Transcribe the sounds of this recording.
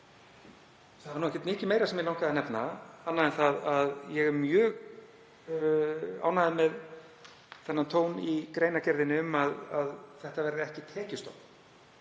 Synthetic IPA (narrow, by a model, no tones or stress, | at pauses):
θaaɾnuːɛhcɛt̪mɪːcɪmeːjɾasɛmjɛlawŋkaðanɛpnaanːaðɛnθaðaðjɛɣɛmjœːɣ | a̰ːwnaðɪmɛð | θɛnːant̪ʰoːwnikɾeːjnacɛɾðɪnɪʏmaðaðθɛht̪avɛɾɪðɪɛhcɪt̪ʰɛːcɪst̪ɔ̰kn